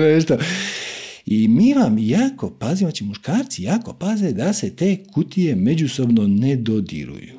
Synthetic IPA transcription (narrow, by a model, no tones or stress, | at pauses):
ʋeʃt̪o | imiːʋamjaːko̞pazijat͡ʃimuʃkaːɾt̪sijaːko̞pazed̪ase̞t̪e̞ːkʰut̪ije̞me̞d͡ʒuso̞bno̞ned̪od̪ḭɾṵjṵ